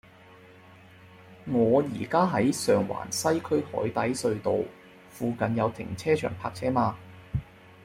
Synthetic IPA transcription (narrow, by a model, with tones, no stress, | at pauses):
ŋɔː˨˧jiː˨˩kaː˥ɦɐ˨˥jsœː˨˩ŋwa̰ː˨˩nsɐ˥jkʰɵ˥ɥhɔ̰ː˨˥jt̪ɐ˨˥jsɵ˧ɥt̪o˨w | fuː˨˧kɐ˨njɐ˨˧wt̪ʰɪ̰˨˩ŋt͡sʰɛː˥t͡ʃʰœ̰ː˨˩ŋpʰa̰ː˧k̚t͡sʰɛː˥maː˧